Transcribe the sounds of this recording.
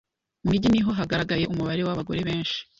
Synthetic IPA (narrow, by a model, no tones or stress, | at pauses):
mumiɟiniɦo̞ɦaɡaɾaɡaje̞ʔumuβaɾe̞waβaɡo̞̰ɾe̞βe̞ːnʃi̥